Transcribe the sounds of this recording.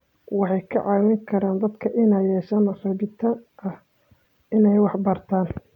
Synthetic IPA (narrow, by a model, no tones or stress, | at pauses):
wɑħɑjkʰɐ̰ʕɑːwɪŋkʰɐɾaːnd̪ɐd̪kʰɐʔɪnɛjɛːʃɐnɐrɐβɪt̪ʰɐʔɐh | ɪnɛjwɑħbɐrt̪ʰaːn